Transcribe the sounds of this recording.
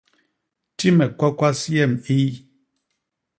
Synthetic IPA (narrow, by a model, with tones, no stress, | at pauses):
ti˦mɛ˨kwa˦kwa˦sjɛ˦˨mi˦